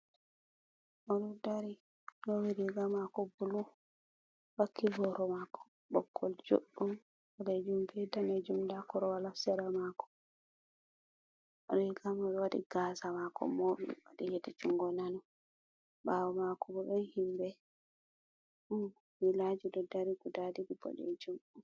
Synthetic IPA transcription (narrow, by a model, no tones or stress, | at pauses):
ʔɔɗɔdaɾi | nɔwiɾiɡamakɔbulu | bakːibɔɾɔmakɔ̥ | ɓɔɡʰːɔld͡ʒo̰ɗːum | wadad͡ʒumbɛdanɛd͡ʒumdakɔɾɔwalasɛɾamakɔ̥ | aɗɛɡamawaɗḭɡ̥asamakɔ̰moɓḭwa̰ɗijɛtid͡ʒuŋɡɔnanɔ | bawɔmakɔbɔɓɛnhimbɛ | um | wilad͡ʒuɗɔdaɾiɡudadiɡibɔ̰ɗɛ̰d͡ʒumɗum